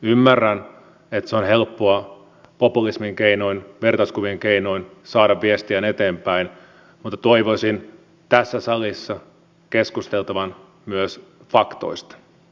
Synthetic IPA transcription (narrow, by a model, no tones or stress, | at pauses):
ymːærːæn | et̪seonɦelpːoɑ | po̞pulismiŋkejnoinʋe̞rt̪ɑskuʋiŋkeinoinsɑːdɑʋʋiest̪iæne̞t̪eːmpæin | mut̪ːɑt̪oiʋoisin | t̪æsːæsɑlisːɑ | keskust̪e̞lt̪ɑʋɑn | myøs | fɑkt̪o̞̰ist̪ɑ̥